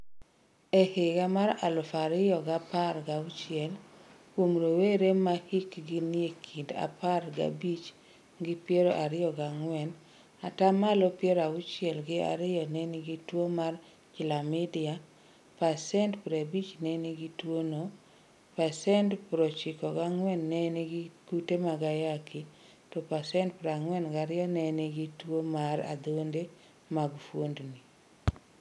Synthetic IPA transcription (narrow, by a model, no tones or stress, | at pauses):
ehɪkamaɾalʊfaɾɪjɔɡapaɾɡaut͡ʃɪɛlkwomɾoweɾemahikɡiniekʰinda̰paɾɡa̰bit͡ʃ | ɡɪpjeɾoʔaɾɪjɔɡaŋwɛn | atamalopjeɾaut͡ʃɪɛlɡɪa̰ɾɪjɔnenɪɡitwomar | kɪlamidɪa | pasɛntpɾebit͡ʃneniɡitwono | pasɛntpɾot͡ʃɪkɔɡaŋwɛnːɛniɡkutemaɡajakʰi | tɔpasɛntpɾaŋwɛnɡaɾɪɔnɛneɡitwomaɾa̰d̪onde | maɡfwondni